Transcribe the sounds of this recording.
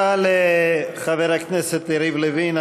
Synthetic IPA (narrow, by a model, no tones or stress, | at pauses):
aleχaveɾakneset̪iɾivlevin